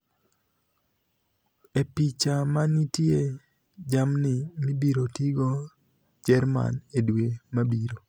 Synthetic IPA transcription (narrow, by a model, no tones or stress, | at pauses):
epit͡ʃamanitje | d͡ʒamnɪmibiɾotiɡo | d͡ʒɛɾma̰nedwemabiɾo